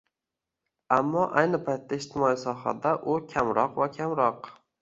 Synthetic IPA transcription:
amːɒʔajnɪpʰajt̪ːaed͡ʒt̪ʰɪmɒisɒɦa̰d̪aʔʊkʲʰamɾɒqvakʲʰamɾɒq

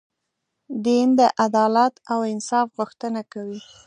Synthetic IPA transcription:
d̪ind̪əʔad̪ɑlat̪awɪnsɑfɣʊxt̪ənakawi

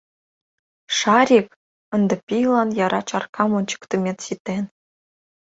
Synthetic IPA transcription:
ʂɑɾʲik | ɤ̆nd̪ɤ̆pʲijlˠɑnjɑɾɑt͡ɕɑrkʰɑmont͡ɕɤ̥̆kt̪ə̆mʲet̪ɕit̪ʲːen

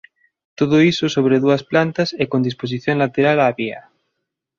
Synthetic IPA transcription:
t̪oðoisʊsoβɾeðuɐsplant̪ɐsɛkond̪ispos̬iθjõŋlat̪eɾalaβiɐ̰

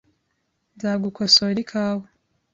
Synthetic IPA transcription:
nzaːɡukʰosoɾikʰaːwo

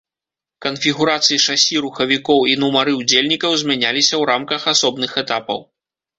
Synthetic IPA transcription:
kɐnfʲiɣuɾat̪sɨjiʂasʲiɾuxɐvʲikɔwinumaɾɨud͡zʲelʲnʲikɐwzʲmʲanʲalʲisʲɐwɾamkɐxasɔbnɨxɛt̪apɐ̰w

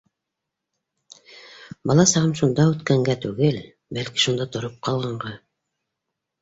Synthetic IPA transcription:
bɑlˠɑsɑʁɤmʃund̪ɑʉt̪kæŋɡæt̪ʉɡɘl | bælki̥ʃund̪ɑt̪ŏɾop̚qʰɑlˠʁɑɴʁɑ

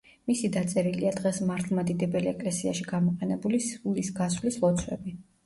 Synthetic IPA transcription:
misid̪at̪sʼɛɾiliad̪ʁɛsmaɾt̪ʰlˠmad̪id̪ɛbɛliɛkʼlɛsiaʃiɡamɔqʼɛnɛbulisulisɡaswlislˠɔt̪sʰwɛ̰bi

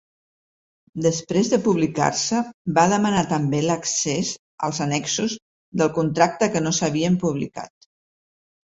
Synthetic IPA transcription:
d̪əspɾezðəpuβlika̰rsəbaðəmənat̪əmbeləksez | ə̰lˠzənɛksuz | d̪əlˠkunt̪ɾak̚t̪əkənosəβiəmpuβ̞lḭka̰t̪

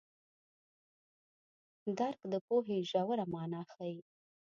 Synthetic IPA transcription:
d̪aɾkd̪əpoɦeʒawaɾamɑnɑxaji

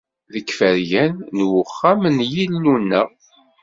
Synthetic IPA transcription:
ðəkːfəɾjænːwʊχːæmənjilːunːə

